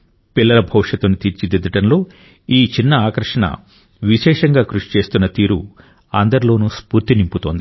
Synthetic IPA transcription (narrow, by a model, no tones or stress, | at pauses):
pilːɐlɐbʱɐwʂɐt̪unit̪iɾt͡ʃid̪id̪ɐʈɐnlo̞ː | iːt͡ʃinːɐaːkɐɾʂɐɳɐ̰ | ʋiʃɛːʂɐŋɡaːkɾuʂi̥t͡ʃe̞ːst̪unːɐt̪iːɾu | ɐnd̪ɐɾilo̞ːnuːspuːɾt̪inimput̪o̞ːnd̪i